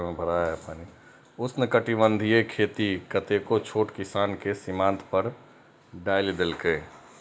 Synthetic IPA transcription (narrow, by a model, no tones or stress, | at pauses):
mẽbʱəɾaːjaəpani | ʊsnekəʈibə̃nd̪ʱiekʰeːt̪ikət̪ekot͡ʃʰoːʈkɪsaːnkesɪmãːnt̪ʰpəɾ | ɖaːiled̪elkəe